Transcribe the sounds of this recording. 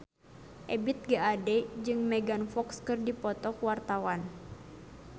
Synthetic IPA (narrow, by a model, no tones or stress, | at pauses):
ʔɛbit̪̚ɡaadɛd͡ʒɨŋmɛɡanfɔkskɨrdipɔt̪ɔkwart̪awan